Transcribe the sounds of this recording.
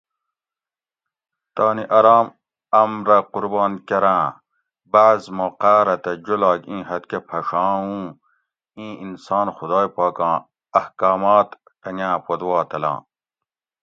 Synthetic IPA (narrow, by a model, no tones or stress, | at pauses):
t̪ɑːniʔɐɾɑːm | ɐmɾɐquɾbɑːnkɐɾãː | baːzmoqaːɾɐt̪ɐd͡ʑolɑːkĩːɦɐt̪kepʰɐʂɑ̃ːũ | ĩːinsɑːnxud̪ɑːjpɑːkɑ̃ː | ɐhkɑːmɑːt̪ | qɐŋæ̃ːpod̪wɑːt̪ɐlɑ̰̃ː